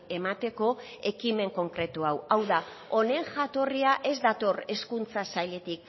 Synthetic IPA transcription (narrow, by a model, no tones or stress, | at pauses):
e̞mat̪e̞ko̞ | e̞kime̞ŋko̞ŋkɾe̞t̪uawawða | o̞ne̞ŋʝat̪o̞riaʔe̞zd̪at̪o̞re̞skunt͡sasajle̞t̪ik̚